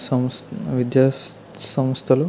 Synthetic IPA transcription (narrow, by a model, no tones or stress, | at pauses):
sɔmʋid̪ja | sɔmst̪ʰɐlu